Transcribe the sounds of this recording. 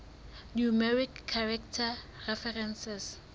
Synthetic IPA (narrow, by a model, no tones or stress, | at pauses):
njumɛɹikʰːaɹɛktʰa | rɛfɛrɛnsɛs